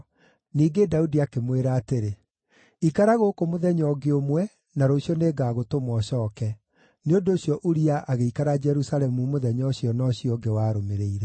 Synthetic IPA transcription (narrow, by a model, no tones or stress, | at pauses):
niːɡedaudiakemweɾaːteɾe | ikaɾaɣokomoðɛɲɔɡeomwɛ | naɾoɕjɔneɡaːɣotomɔɕɔːkɛ | neondoːɕjɔʔuɾiaʔaɣeikaɾad͡ʒɛɾusalɛmumoðɛɲɔɕijɔnɔɕiɔɡewaːɾomeɾeiɾɛ